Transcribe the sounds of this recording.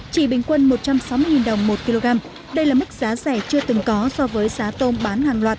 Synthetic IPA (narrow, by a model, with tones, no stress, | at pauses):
t͡ɕḭ˧˩ɓï˧˩ŋ̟kwə˧nmo˨˩t̚t͡ɕa˧msa˨˦wmɨ˧əjŋi˨˩nɗə˨˩wŋ͡mmo˨˩t̚ki˧lo˧ɣaː˧m | ɗə˧jlaː˨˩mï˦˥k̟̚z̥aː˨˦zɛ˧˩t͡ɕɨ˧ət̪ɨ˨˩ŋkɔ˨˦sɔ˧vəː˨˦jzaː˨˦t̪o˧nɓaː˨˦nhaː˨˩ŋlwaː˨˩t̚